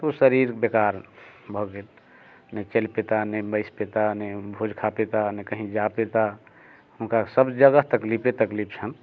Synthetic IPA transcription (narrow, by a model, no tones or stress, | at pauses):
t̪osəɾiɾbekaɾbʱəɡet̪ | net͡ʃelpet̪anebəɪspet̪anebʱod͡ʒkʰapet̪anekəɦĩd͡ʒapet̪a | hunkasəbd͡ʒəɡəɦt̪əklipet̪əklipʰt͡ʃʰən